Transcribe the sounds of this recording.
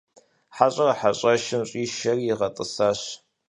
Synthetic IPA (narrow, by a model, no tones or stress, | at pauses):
ħaɕʼɐrɐħaɕʼɐʃɪnɕʼiːʃɐrijɪʁɐtʼɨsaːɕ